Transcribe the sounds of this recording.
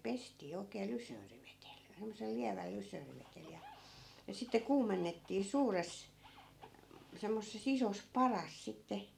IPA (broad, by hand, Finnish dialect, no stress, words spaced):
pestiː oi̯kˑeː lysøːriʋetel semːosel liæʋæl lysøːriʋetel jɑ jɑ sitːe kuːmenːetːiː suːres semːosːes isos pɑrɑs sitːe